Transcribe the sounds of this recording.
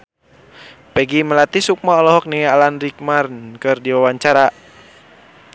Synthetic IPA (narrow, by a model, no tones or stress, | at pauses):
pɛɡiməlat̪isuk̚maɔlɔɦɔk̚niŋalanrik̚marnkɨrdiwawaɲt͡ʃaɾa